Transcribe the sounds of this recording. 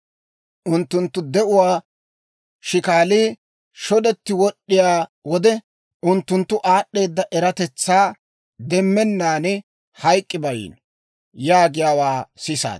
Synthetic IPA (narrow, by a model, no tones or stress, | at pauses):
ʔʊnt̪ːʊnt̪ːʊd̪ɛʔʊwaː | ʃɪkaːliː | ʃɔd̪ɛt̪ːɪwɔɗːɪjaːwɔd̪ɛ | ʔʊnt̪ːʊnt̪ːʊʔaːɗːe̞ːd̪ːɐʔɛɾɐt̪ɛt͡sːaː | d̪ɛmːɛnːaːnɛ | hɐjkʼːɪbɐjḭːn | jaːɡɪjaːwaːsɪsa̰ːd̪